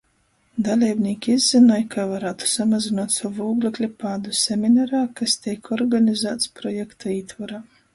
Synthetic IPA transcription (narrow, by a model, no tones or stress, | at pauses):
d̪alʲiːbnʲiːkʲiizʲzːinɔjkʰavaɾaːt̪u̥samazʲinaːt̪sɔvuːɡlʲˠiklʲipaːd̪usʲemʲinaɾaːkast̪ʲɛjkɔɾɡanʲizæːt̪spɾɔjɛkt̪aiːt̪vaɾaː